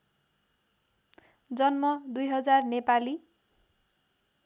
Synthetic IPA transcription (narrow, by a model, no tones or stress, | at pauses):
d͡zʌnmʌd̪ujɦʌd͡zarnepali